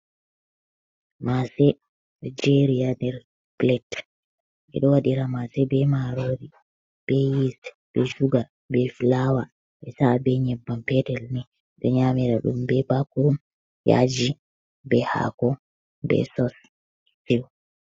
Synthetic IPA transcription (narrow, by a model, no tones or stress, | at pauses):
masɛ | d͡ʒɛɾiandɛɾ | plɛt | ɓɛ̰ɗɔwaɗiɾamasɛbɛmaɾoːdi | b̥ɛjis | bɛʃuɡa | bɛfilawa | ɓɛsabɛɲɛbːampɛdɛlnɛ | ɗɔɲamiɾa̰ɗṵmbɛbakuɗum | ja̰d͡ʒi | bɛha̰kɔ | bɛ̰sɔs | fiw